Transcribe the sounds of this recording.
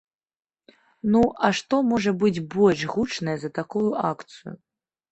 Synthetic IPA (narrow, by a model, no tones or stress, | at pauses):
nuʔɐʂt̪ɔmɔʐɐbɨd͡zʲbɔlʲʂɣut͡ʂnɐjɛzɐt̪akujuʔakt̪sɨjṵ